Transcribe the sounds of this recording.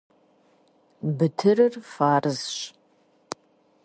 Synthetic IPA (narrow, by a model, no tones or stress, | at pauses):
bɨtʰɨrɨrfaːrɨzʃ